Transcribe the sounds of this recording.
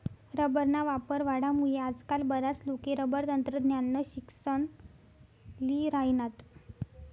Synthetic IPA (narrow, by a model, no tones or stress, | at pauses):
ɾəbəɾnaʋapəɾʋaɽamuɭead͡zkalbəɾaslokeɾəbəɾt̪ənt̪ɾəd̪ʱnjanːəɕiksən | liɾainat̪